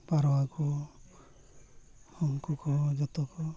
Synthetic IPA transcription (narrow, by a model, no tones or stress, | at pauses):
paɾɔwakɔ | hɔŋkukɔd͡ʒɔt̪ɔkɔ